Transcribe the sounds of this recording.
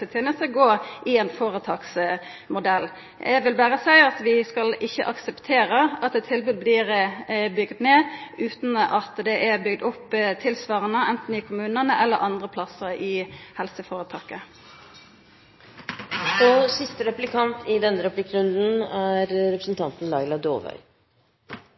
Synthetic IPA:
ət̪ʰɛːnəst̪əɡoːʔɪɛnfoːɾət̪ʰɑːks | mʊd̪ɛlː | ʔæɡʋɪlbæːʁəsæɪɑt̪ʋɪskɑlɪçːə̰ʔɑksəpt̪ʰeːɾəɑt̪ɛt̪ʰːɪlbʉːd̪̚bliːɾbʏɡd̪neːʔʉːt̪nɑt̪d̪ɛʔæbʏɡd̪ʊpːt̪ʰɪlsʋɑːʁənəʔɛnt̪n̩ɪkʰʊmʉːnənəʔɛlːəʔɑnd̪ʁəpʰlɑsəɾɪhɛlsəfoːʁət̪ʰɑːkə | ɔsɪst̪əɾɛplɪkʰɑnt̪ʰɪd̪ɛnːəɾɛplɪkːɾʉnd̪n̩æːɾɾɛpɾəsnt̪ʰɑnt̪ən̩lɑɪlɑd̪oːʋœ̰ʏ

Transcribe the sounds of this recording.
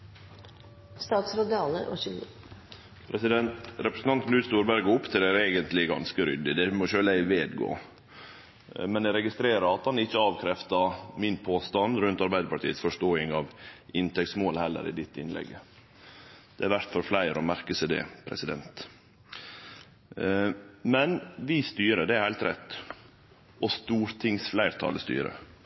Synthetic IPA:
st̪ɑːt̪sɾod̪ɑːləʔo̰ç | pʰɾɛsɪd̪ɛnt̪ɾɛpɾəsn̩t̪ɑnt̪nʉːt̪st̪uːɾbæɾɡəʊpːt̪ʰɪlæɾeːɡənt̪lɪɡɑ̰nskəɾʏ̰d̪ːɪd̪ɛmɔʃøːlæɪʋeːd̪ɡo̰ː | mɛnæɾɛɡɪst̪ɾeːɾəɾɑt̪hɑnɪçːəɑːʋkʰɾɛft̪ɑmɪnpʰoːst̪ɑnɾʉnt̪ɑɾbæɪd̪əpɑʈʰiːət̪sfɔʂʈoːɪŋɑʋʔɪnt̪ʰɛk̚tsmoːlhɛlːə̰ɾɪ̰d̪ɪt̪ːɪnlɛ̰ɡːə | d̪̥ɛæɾʋæɾt̪fɔɾflæɪɾɔmæɾkəsæd̪ɛ̰ːpʰɾɛ̰sɪd̪ɛnt̪ | mɛnʋɪst̪yːɾəd̪ɛæɾhælt̪ɾɛ̰t̪ː | ʔɔst̪uːɾt̪ʰɪŋsflæɪɾt̪ʰɑ̰ːləst̪y̰ːɾə̰

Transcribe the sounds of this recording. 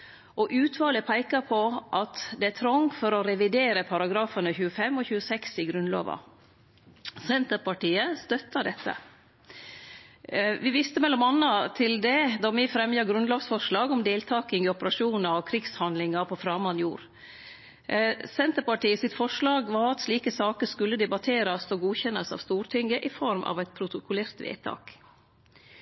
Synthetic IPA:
ʔɔʔʉːt̪ʰʋɑːləpʰæɪkɑpʰɔʔɑt̪d̪ɛæt̪ʰɾɔŋfɔɾɔɾɛʋɪd̪eːɾəpʰɑɾɑɡɾɑːfɑnəçʉːəfɛmːɔçʉːəsɛksɪɡɾʉnlo̰ːʋɑ̰ | sɛnt̪əɾpɑʈiːəst̪œt̪ʰːɑd̪ɛt̪ʰːə̰ | ʋɪʋɪst̪əmɛlːɔmɑnːɑt̪ʰɪld̪ɛd̪ɔmɪfɾɛmjɑɡɾʉnloːɡsfɔʂɭɑːɡɔmd̪eːlt̪ʰɑːkɪŋɪɔpəɾɑʂuːnəɾɔkʰɾɪɡshɑnd̪lɪŋɑpʰɔfɾɑːmɑnjṵːɾ | sɛnt̪əɾpɑʈiːəsɪt̪fɔʂɭɑːɡʋɑɾɑt̪ʂliːkəsɑːkəskʉlːəd̪ɛbɑt̪ʰeːɾɑsɔɡuːçɛnɑsɑ̰ʋst̪uːɾʈ̪ʰɪŋɡəʔɪfɔɾmʔɑ̰ʋɛɪt̪̚pʰɾʊt̪ʊkʊleːɾt̪ʋḛːt̪ʰɑ̰ːk

